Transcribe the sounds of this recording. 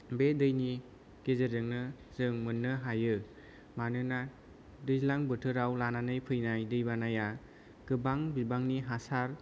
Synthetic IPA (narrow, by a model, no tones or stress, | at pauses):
bedɯjni | kezedɯŋnɯzɯŋmɯnːɯɦajɯ | manɯna | dɯjzlaŋbɯtʰɯɾawlananɯjpʰɯjnajdɯjbanaja | ɡ̥ɯbaŋbibaŋniɦasaɾ